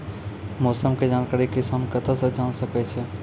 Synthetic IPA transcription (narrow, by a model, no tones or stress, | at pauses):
moːsəmked͡ʒaːnkaːɾikɪsaːnkɐt̪ʰasəd͡ʒaːnsɐkɛt͡ʃʰe